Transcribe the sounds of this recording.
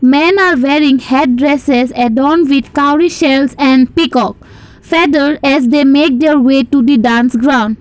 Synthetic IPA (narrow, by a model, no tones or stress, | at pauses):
mɛ̃naɾʋeɾĩŋhɛʈ̚ɖɾɛsesɛɖɔ̃nʋid̪kaʊɾiʃɛlsɛ̃ɳɖpikɔk̚ | fɛd̪əlɖɛzd̪emeːk̚d̪eɾweʈud̪iɖãnsɡɾãʊ̃ɳɖ